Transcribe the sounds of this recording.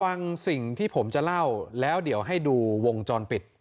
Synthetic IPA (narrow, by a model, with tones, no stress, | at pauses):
a˧ŋsi˨˩ŋt̪ʰiː˥˩pʰo˩˦mt͡ɕa˨˩la˥˩wlɛː˦˥wdi˨˩˦əwɦa˥˩jduː˧wo˧ŋt͡ɕɔː˧npi˨˩t̪̚